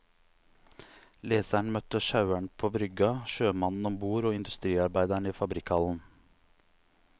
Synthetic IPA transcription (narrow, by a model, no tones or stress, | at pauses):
leːsæɳmœt̪əʃɑʉæɳpʰoːbɾʏɡɑʃøːmɑnn̩ɔmbuːɾoːɪnd̪ʉst̪ɾiːɑɾbæɪd̪æɳiːfɑbɾɪkhɑln̩